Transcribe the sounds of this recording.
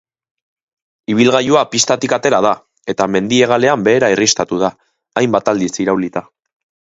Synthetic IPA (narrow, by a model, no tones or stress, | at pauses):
iβ̞ilɣajuapist̪at̪ikat̪e̞ɾað̞a | e̞t̪ame̞nd̪ie̞ɣ̞ale̞ambe̞ːɾairist̪at̪uð̞aː | jmbat̪ald̪isiɾawlit̪a